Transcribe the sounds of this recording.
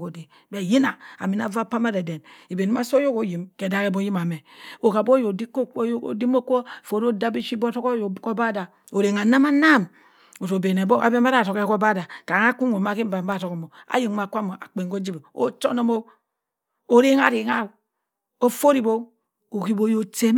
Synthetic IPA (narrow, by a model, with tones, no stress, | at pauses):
ko˨di˨ | be˨ji˦na˨a̰˨mi˨na˨va˦˨pa˦ma˦de˨de˨ni˨be˨n˦a˦so˦jo˦ko˨ji˨mke˨da˦ke˦bo˦ji˦ma˨me˨o˨ka˨bo˦jo˨di˦ko˦ko̰˨di˦mo˦ko˦˨fo˨ɾo˦da˦bi˦ʃi˦bo˦to˦ko˦˨ko˦ba˦da˨ | o˨ɾe˨ŋa˨na˦ma˦na˦˨m | o˨to˨be˨ne˨bo˦a̰˨be˦ma˦ɾa˨to˨ke˦ko˦ba˦˨da˨ka˨ŋa˦ku˦ŋo˨ma˦ki˦m̩˦ba˨˦ba˦˨to˨ko˨mo˨a̰˦ji˨ŋma˨kʷa˦mo˨a̰˨k͡pe˨ŋko˦d͡ʒi˦be˨o̰˦t͡ʃo̰˦no˦mo˦ | o˦ɾe˦ŋa̰˦ɾi˨ŋa˦˨ | o˦fo˦ɾi˦˨bo˦ | o˨ki˦bo˦jo˦te˦m